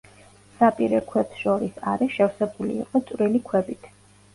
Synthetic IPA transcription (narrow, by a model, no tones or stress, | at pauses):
sapʼiɾɛkʰwɛpsʃɔɾisaɾɛʃɛvsɛbulḭːqʼɔt̪sʼwɾilikʰwɛbit̪ʰ